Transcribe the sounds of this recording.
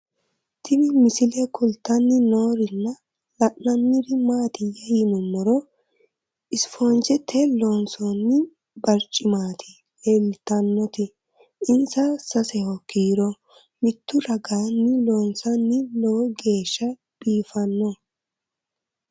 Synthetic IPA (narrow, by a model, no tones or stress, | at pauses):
t̪ʰɪnɪmɪsɪlɛkʊlt̪ːɐnːɪnoːɾɪnːɐ | lɐʔnɐnːɪɾɪmaːt̪ɪjɐjɪmʊmːɔɾɔ | ʔɪsfoːnd͡ʒɛt̪ʰːɛloːnsonːɪ | bɐɾt͡ʃʼːɪmaːt̪ʰɪ | lelt̪ːɐnːɔt̪ɪ | ɪnsɐsɐsɛhɔkiːɾɔ | mɪt̪ːʊɾɐɡaːnːɪloːnsɐnːɪlɔwɡe̞ːʃːɐ | b̥iːfɐnːɔ